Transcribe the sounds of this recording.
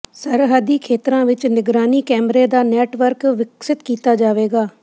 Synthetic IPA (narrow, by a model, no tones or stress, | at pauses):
səɾɦəd̪iːkʰeːt̪ɾãːʋɪt͡ʃnɪɡɾaːniːkɛːmɾeːd̪aːnɛːʈʋəɾkʋɪksɪt̪kiːt̪aːd͡ʒaːʋeːɡaː